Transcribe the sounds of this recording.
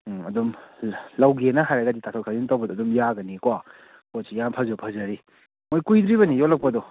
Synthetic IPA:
ɐdumlawɡenɐɦajɾaɡɐditatʰɔkʰazintawbɐdɔːdumjaɡɐnikwa | kosʰijanpʰɐzupʰɐzɐɾi | mojkujd̪ɾibɐnijotlɐk̚pɐdɔ

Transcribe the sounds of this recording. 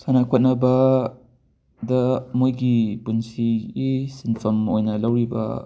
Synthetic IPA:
sanakʰɔt̚nɐbɐ | dɐmojɡibunsiːsinfʰɐmojnɐlawɾibɐ̰

